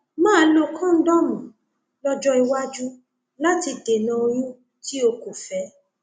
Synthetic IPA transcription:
mãː˦˨˦lo˦˧kã˦n̩˦dɔ˦mũ˨ | lɔ˦d͡ʒɔ˦i˧wa˦d͡ʒu˦ | la˦ti˧de˨nã˧o˧j̃ũ˦ | ti˦o˧ko˨fɛ˨˦

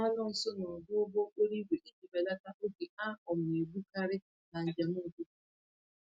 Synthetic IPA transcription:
a˦lɔ˦n̩˨sʊ˦nɔ˨bʊ˦o˦bo˦o˦k͡po˦ɾi˦ɡʷe˨ʔe˦ɲi˨be˨la˦ta˦ʊ˦ɡe˨a˦ɔ˨m̩˨e˨bu˦ka˦ɾɪ˦ | na˨n̩˨d͡ʒa˨m˦o˦˨ɡu˦

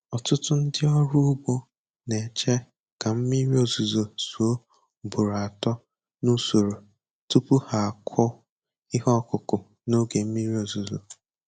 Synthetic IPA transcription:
ɔ˨tʊ˦tʊ˦n̩˦dɪ˦ɔ˦ɾu˦bɔ˦ | ne˨t͡ʃe˦ | ka˨m̩˦mi˦ɾi˦o˨zu˨zo˨su˨o˦ | bu˨ɾa˨tɔ˦ | nu˦so˨ɾo˨ | tu˦pʊ˦ha˨a˨kʷʰɔ˦ | ɪ˦ɦɔ˦kʊ˨kʊ˨ | no˦ɡe˨m̩˦mi˦ɾi˦o˨zu˨zo˨

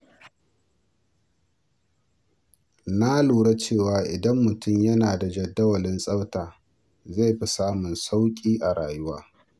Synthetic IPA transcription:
na˦luː˨ɽa˦t͡ʃeː˦˨waː˨ʔɪ˨dɐ˦mːʊ˨tʊ˦˨mjɐ˦naː˨da˨d͡ʒɐ˨dːɐ˦wɐ˨lɪ˦nsʼɐ˦wtaː˨ | za˦˨jɸi˦saː˦mʊ˨nsa˦wkʲʼiː˦ʔa˨ɽaː˨jʊ˦waː˦

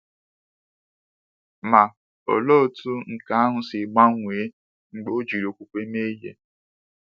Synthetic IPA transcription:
ma˨ | o̰˨lo˦o˨tu˦ŋ̩˨ka˦a˦ɦʊ˨sɪ˨ɡ͡ba˦ŋʷe˨e˦ | ŋ͡m̩˨ɡ͡bo˦d͡ʒi˨ɾo˨kʷu˦kʷe˦me˦jḛ˦

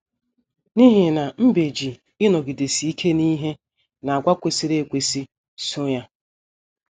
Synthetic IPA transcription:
ni˦ɦi˨na˨m̩˦be˨d͡ʒi˨ | ɪ˦nɔ˨ɡi˨de˨si˨i˦kʰe˦ni˦ɦe˦ | na˨a˨ɡʷa˦kʷe˨si˦ɾe˦˨kʷe˨si˦ | sʊ˦ja˦

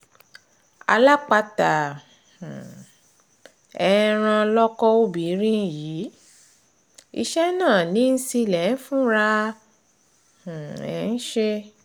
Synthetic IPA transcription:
a̰˧la˦k͡pa˧tã˨ | ɛ˧˨˦ɾ̃ã˧lɔ˦kɔ˦o˦bi˨˦ɾĩ˦ji˨˦ | ḭ˧ʃɛ˦nãː˦˨nĩ˨˦n̩˦si˧lɛ˨˦fũ˦ɾa˧ | h̩˨ɛ̰˨˦n̩˦ʃe˦

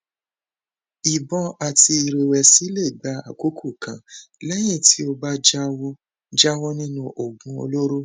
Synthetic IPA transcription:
i˨bɔ̃˧a˨ti˧i˨ɾe˨wɛ˨si˨˦le˦˨ɡ͡ba˨˦a̰˦˨ku˦kʰu˦˨kã˨˦lɛ˦j̃ĩ˦˨ti˦o˧ba˦d͡ʒa˦wɔ˦ | d͡ʒa˦wɔ˦nĩ˦nũ˦ʔo˨ɡũ˨˦o̰˧lo˦ɾo˦

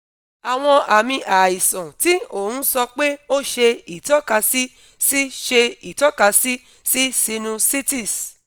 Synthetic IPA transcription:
a˨w̃ɔ̃˧ʔa˨mĩ˧ʔa˨i˨sɔ̃˨ti˦o˦˨hũ˦sɔ˧k͡pe˦o˦ʃe˧i˨tɔ˦ka˧si˦ | si˦ʃe˧i˨tɔ˦ka˧si˦ | si˦si˧nũ˧si˦ti˦˨s

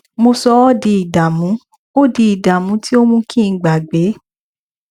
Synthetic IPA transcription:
mo˧sɔ˧ɔ˦di˧i˨da˨mũ˨˦ | o˦di˧i˨da˨mũ˨˦ti˦o˦mũ˧kĩ˦˨ɡ͡ba˨ɡ͡be˨˦

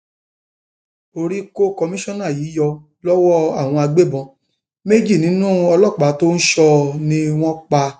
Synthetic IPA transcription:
o˧ɾi˦ko˦kɔ˧mĩ˦ʃɔ̃˦nã˦˨jiː˨˦jɔ˧ | lɔ˦wɔ˦a˦˨w̃ɔ̃˧a˧ɡ͡be˦bɔ̃˧ | me˦d͡ʒi˦˨nĩ˨˦nũ˦ɔ˧lɔ˦˨k͡pa˨˦to˦n̩˦ʃɔ˧nĩ˧w̃ɔ̃˦k͡pa˧

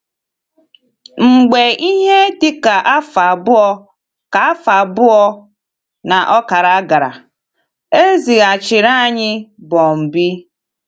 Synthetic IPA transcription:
ŋ͡m̩˨ɡ͡be˨ʔi˦ɦe˦tɪ˦ka˨ʔa˦fa˨bʊ˦ɔ˦ | ka˨a˦fa˨bʊ˦ɔ˦ | na˨ʔɔ˦ka˨ɾa˨˦ɡa˨ɾa̰˨ | e˦zi˨ɣa˨t͡ʃɪ˨ɾa˦˨ɲɪ˦bɔ˨m̩˨bi˦

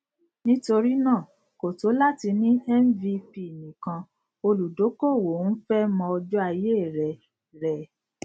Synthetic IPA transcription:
nĩ˦to˧ɾi˦nãː˦˨ | ko˨to˨˦la˦ti˧nĩ˦ɛ˦m̩˦vi˧pi˦˨nĩ˨kã˧ | o˧lu˨do˨˦ko˦˨wo˨˦n̩˦fɛ˦mɔ̃˧ɔ˧d͡ʒɔ˦a˧je˦˨ɾɛ˨ | ɾɛ˨

